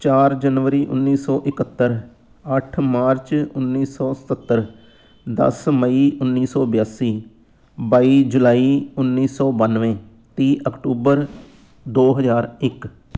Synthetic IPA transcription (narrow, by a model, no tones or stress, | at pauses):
t͡ʃaːɾd͡ʒənʋəɾiːʔʊ̰nːiːsɔːʔɪkət̪ːəɾ | əʈʰmaːɾt͡ʃʊnːiːsɔːsə̥t̪ət̪ːəɾ | d̪ə̰sməiːʔʊnːiːsɔːbjaːsiː | baːiːd͡ʒʊlaːiːʊnːiːsɔːbənʋẽː | t̪iːʔəkʈuːbəɾ | d̪oːɦəzaːɾɪk